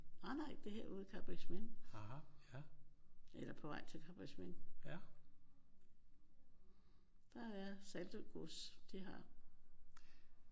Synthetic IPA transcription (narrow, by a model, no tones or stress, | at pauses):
ɑnɑ̈ɪ̰d̥e̝ɦeɐ̰uːð̩ˠkʰɑ̈b̥ʁismen | ʔelɐpʰɒ̽ʋɑ̈ɪ̰t͡sʰe̝lkʰɑ̈b̥ʁismen | d̥ɑæjæsæld̥əɡ̥osd̥iɦɑ̈